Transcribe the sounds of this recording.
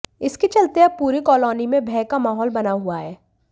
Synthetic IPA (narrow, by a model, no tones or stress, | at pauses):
ɪskit͡ʃɐlt̪eɐb̚puːɾikɔːlɔːnimẽbʱɛːkamaːɦɔːlbɐnaɦuaɦɛː